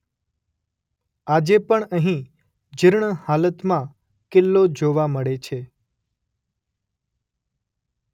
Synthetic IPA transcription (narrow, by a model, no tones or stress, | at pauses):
ad͡ʒepəɳəɦĩ | d͡ʒəɾɳhalət̪mã | kɪlːod͡ʒoʋaməɭet͡ʃʰe